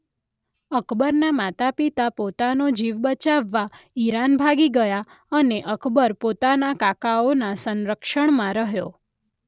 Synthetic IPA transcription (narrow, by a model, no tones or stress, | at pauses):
əkbəɾnamat̪apit̪apot̪anod͡ʒiʋbət͡ʃaʋːaiɾanbʱaɡiɡəja | əneʔəkʰbəɾpot̪anakakaonasənɾəkʃəɳmãɾəɦjo